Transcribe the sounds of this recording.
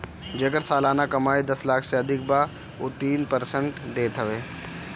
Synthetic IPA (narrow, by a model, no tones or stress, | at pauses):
d͡ʒɐɡəɾsaːlaːnakɐmaːid̪ɐslaːkʰseɐd̪ʱɪk̚ba | oːt̪iːnpɐɾsəɳʈd̪eːt̪ʰəʋeː